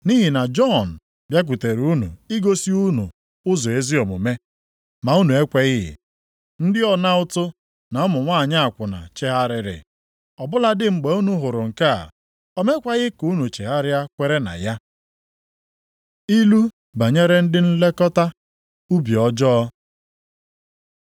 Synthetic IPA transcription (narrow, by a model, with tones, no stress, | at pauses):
ni˦ɦɪ˨na˨d͡ʒɔ˦˨n̩˨ | bja˦k̬ʷu˨te˨ɾu˦nṵ˨i˦ɡo˦si˦u˦nṵ˨ | ʊ˦zɔ˨e˦zi˦ɔ˨mʊ̰˨me˦ | ma˨u˦nu˨e˦kʷe˦ɣɪ˦ɦɪ̰˨ | n̩˦dɪ˦ɔ˨na˦ʊ˦tʊ˦ | na˨ɔ˦mʊ˨ŋʷa˦˨ɲa˦a˨kʷʊ˨na̰˨t͡ʃe˦ɦa˦ɾɪ˨ɾɪ̰˨ | ɔ˨bʊ˦la˦dɪ˦ŋ͡m̩˨ɡ͡be˨u˦nu˦ɦʊ˨ɾʊ˨ŋ̩˨ka̰˦˨ | ɔ˦me˦kʷa˦ɣɪ˦ku˦nu˨t͡ʃe˨ɦa˦ɾɪ˦a˦kʷe˦ɾe˦na̰˨ja˦ | i˦lu˦ | ba˨ɲe˦ɾe˦n̩˦dɪ˦n̩˦le˦kɔ˦ta˦ | u˦bi˨ɔ˦d͡ʒɔ˦ɔ˦